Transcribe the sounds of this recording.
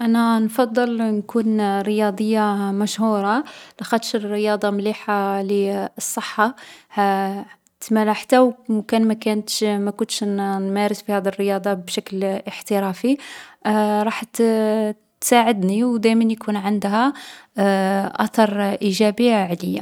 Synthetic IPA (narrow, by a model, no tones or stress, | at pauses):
ʔænænfɑd̪ˤːəlnkunɾəjɑd̪ˤəjːamæʃhuɾˤɑlæxæd̪ʃərːəjɑd̪ˤɑmliħaliəsˤːəħːahæ | t̪mælæħt̪æwmkænmækænt̪ʃmækʊnt̪ʃnmæɾəsbihæd̪ərːəjɑd̪ˤɑbʃækləħt̪əɾæfi | ɾˤɑħt̪ | t̪saʕəd̪niwd̪æjmænjkʰunʕənd̪hæ | ʔæt̪ɑɾˤʔiʒæbiʕləjːa̰